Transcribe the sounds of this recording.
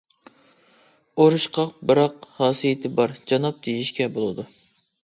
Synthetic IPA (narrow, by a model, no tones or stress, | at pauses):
oɾɨʃqʰɑq̚bɨɾɑqhɑːsijɪt̪ʰɪbɑɾd͡ʒɑnɑp̚d̪̥ʰejiʃkʲɛbolˠɨd̪u